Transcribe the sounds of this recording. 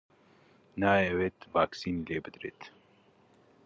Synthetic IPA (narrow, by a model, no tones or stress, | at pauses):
naːjeweːt̪vaːksiːnileːbɨd̪ɾḛːt̪